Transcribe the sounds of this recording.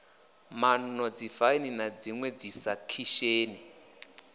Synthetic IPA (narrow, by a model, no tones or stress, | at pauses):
mannɔd͡zifaininad͡ziŋwɛd͡zisakʰiʃeːni